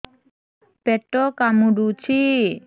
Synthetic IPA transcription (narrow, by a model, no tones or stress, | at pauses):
pɛʈːɔkamuɖut͡ʃʰi